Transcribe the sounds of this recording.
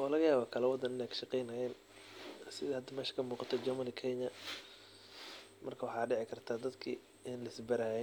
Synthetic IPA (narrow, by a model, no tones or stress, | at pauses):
wɔlɐɣɐjaːβaːkʰɐlɐwɑd̪ɐnɪnɛjkʰʃɑqɛjnɐjɛːn | sɪðɐhɐd̪ɐmɛːʃɐ̥kʰɐmuːqɑt̪ʰɔd͡ʒɐmɐnɪkʰɛɲɐ | mɐrkʰɐwɑħɑːɖɪʕɪkʰɐrt̪ʰaːd̪ɐd̪kʰḭː | ɪnlɐɪsbɐɾaːjɛ